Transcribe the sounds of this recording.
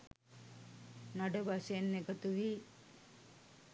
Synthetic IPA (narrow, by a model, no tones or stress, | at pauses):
naɖəbasenːekət̪uʋi